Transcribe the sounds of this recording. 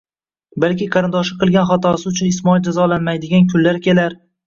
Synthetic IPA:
balkʲɪqʰɑɾɪnd̪ɒʃɪqʰɨlˠɡʲanχɒt̪ʰɒsɪʊt͡ʃʰʊnɪsmɒild͡ʒazɒlanmajd̪ɪɡʲankʲʰʊnlːaɾkʲʰe̞laɾ

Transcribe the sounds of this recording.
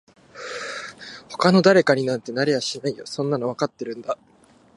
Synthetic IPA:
ho̞̥kano̞d̪aɾe̞kaɲ̟inãnt̪e̞naɾe̞jaɕinaijo̰sõ̞nːano̞β̞akat̪ːe̞ɾɯ̟̃nd̪a

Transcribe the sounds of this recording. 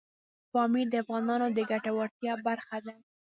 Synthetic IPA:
fɑmiɾd̪əafɣɑnɑnod̪əɡaʈawaɾt̪jɑbaɾxad̪a

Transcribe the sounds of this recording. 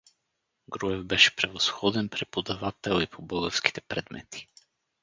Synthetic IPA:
ɡɾuɛvbɛʃɛ̥pɾɛvosxɔd̪ɛnpɾɛpod̪avat̪ɛlˠipʰobɤɡɔfski̥t̪ɛpɾɛ̰d̪mɛ̰t̪i̥

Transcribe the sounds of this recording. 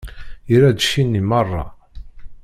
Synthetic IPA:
ɾæd̪ʃinːimɑrˤːɑ̰

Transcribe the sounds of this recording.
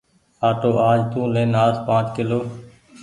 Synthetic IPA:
aːʈoːʔaːd͡ʒt̪ũːleːnaːspãːt͡ʃkɪloː

